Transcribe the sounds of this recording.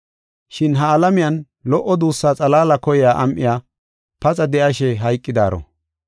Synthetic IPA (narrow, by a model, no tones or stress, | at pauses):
ʃɪnɦɐːlɐmɪjɐn | lɔʔːɔd̪uːsːaːt͡sʼɐlaːlɐkɔjjaːʔɐmʔɪjaː | pɐt͡sʼɐd̪ɛʔɐʃɛɦɐjkʼːɪd̪aːɾɔ̰